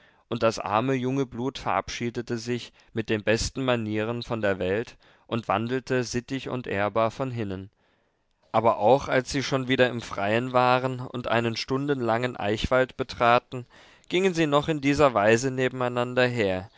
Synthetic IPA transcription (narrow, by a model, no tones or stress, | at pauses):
ʔʊnt̚d̥asʔa̰ɐməjʊŋəbluːtfɛɐʔa̰pʃiːdətəzɪç | mɪt̚d̥eːnbɛstn̩maniːʁ̞ənfɔndeːɐvɛlt | ʔʊntv̥a̰ndl̩təzɪtɪçʊ̰ntʔḛːɐbaːɐfɔnɦɪnən | ʔaːbɐʔaʊxalsz̥iːʃoːnviːdɐɪmfʁ̥aɪənvaːʁənʊ̰ntʔa̰ɪnənʃtʊndən̩laŋənʔa̰ɪçv̥altb̥ətʁ̥aːtn̩ | ɡ̥ɪŋənziːnɔχɪndiːzɐvaɪzəneːbm̩aɪnandɐɦeːɐ